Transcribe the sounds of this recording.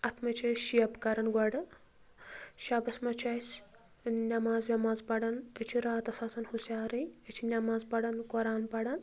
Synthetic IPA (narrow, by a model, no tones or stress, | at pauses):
ɐt̪ʰmɐt͡ʃɐjʃiɐpkɐɾɐnɡɐɽɐ | ʃɐbɐsmɐt͡ʃɐːjsʲ | nʲɐmaːzʋʲɐmaːzpɐɽɐnɐt͡ʃʰiɾaːt̪ɐsaːsɐnhusʲaːɾiət͡ʃʰinʲɐmaːzpɐɽɐnkɔɾaːnpɐɽɐn